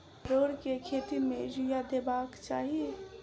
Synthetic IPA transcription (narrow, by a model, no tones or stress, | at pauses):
ɾoːɽkekʰeːt̪imẽd͡ʒujad̪eːbaːkt͡ʃaːɦie